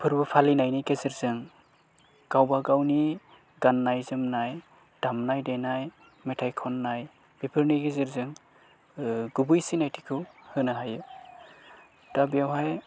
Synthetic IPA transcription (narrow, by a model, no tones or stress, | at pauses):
pʰɯɾbɯpʰalinajnikezɯɾzɯŋ | ɡ̥awbaɡawni | ɡanːajzɯmnaj | d̥amnajdenaj | metʰajkʰɔnːaj | b̥ipʰɯɾniɡezɯɾzɯŋ | ɡubujsinajtʰi̥kʰɯwhɯnaɦajɯ | tabijawɦaj